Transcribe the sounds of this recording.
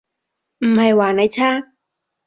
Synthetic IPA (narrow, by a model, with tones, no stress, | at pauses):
m̩˨˩ha˧jwaː˨˧˩na˧˥˦jt͡ɕʰaː˥˩